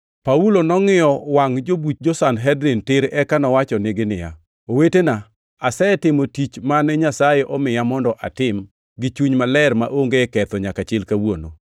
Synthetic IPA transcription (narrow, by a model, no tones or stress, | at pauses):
paulonɔŋɪjɔwaŋd͡ʒobut̚d͡ʒɔsanɦɛdɾɪntɪɾɛkanɔwat͡ʃɔneɡɪnɪ̰ja̰ | owetena | asɛtɪmotit͡ʃmanɛɲasajeʔɔmɪjamɔndɔʔa̰tɪm | ɡɪt͡ʃuɲmalɛɾma̰ʔoŋɡekɛt̪ɔɲakat͡ʃɪlkawono̰